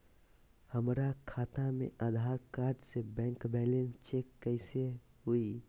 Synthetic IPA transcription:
həmɾakʰaːt̪amḛ̃ʔəd̪ʱaːɾkaːɾɖsebɛ̃ːŋkbɛːlẽnst͡ʃekːəɪseɦui

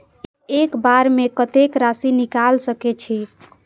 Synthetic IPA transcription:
ekbaɾmekət̪ekɾasinikalsəket͡ʃʰi

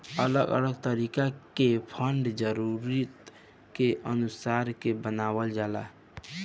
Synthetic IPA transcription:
ələɡə̰ləɡt̪əɾiːkakepʰəɳɖd͡ʒəɾuɾit̪ | keʔənʊsaːɾkebənaːwəld͡ʒaːla̰ː

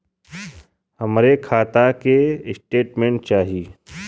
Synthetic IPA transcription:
hɐmɾekʰaːt̪akeɪsʈeːʈmẽːɳʈ̚t͡ʃaːɦiiː

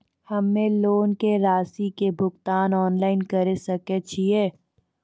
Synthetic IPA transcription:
hɐmːẽloːnkeɾaːsikebʱʊɡt̪aːnɔːnlaːɪnkɐɾesɐket͡ʃʰieː

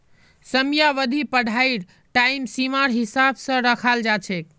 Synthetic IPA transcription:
səmijaʋəd̪ʱipəɽʱajɾ | ʈaimsimaɾɦisabsə̃ɾəkʰald͡ʒat͡ʃʰɛk

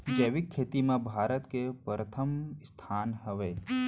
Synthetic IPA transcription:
d͡ʒeːʋikʰːeːt̪imãbʱaːɾət̪kepɾət̪ʰəmst̪ʰaːnɦəʋeː

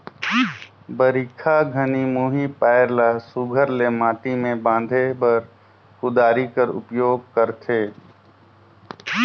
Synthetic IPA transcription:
bəɾikʰaɡʱənimuːɦipaːɾlasuɡʱəɾlemaːʈimẽbãːnd̪ʱebɐɾ | kʊd̪aːɾikəɾʊ̰pjoːɡ̚kəɾt̪ʰeː

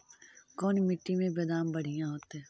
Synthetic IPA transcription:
kɔːnmɪʈːimẽbeːd̪aːmbɐɽ̤ijãɦoːt̪eɦɛ̃ː

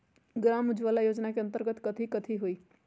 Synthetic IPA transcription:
ɡɾaːmʊd͡ʒʋalajoːd͡ʒnakeɐ̃nt̪əɾɡət̪kət̪ʰikət̪ʰiɦoiː

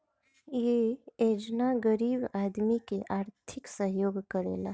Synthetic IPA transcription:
jeed͡ʒnaɡəɾiːbaːd̪mikeʔaːɾt̪ʰɪksəɦjoːɡkəɾḛːla

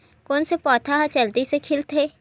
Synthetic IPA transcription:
koːnsepɔːt̪ʰaɦat͡ʃɐld̪isekʰɪlt̪ʰeː

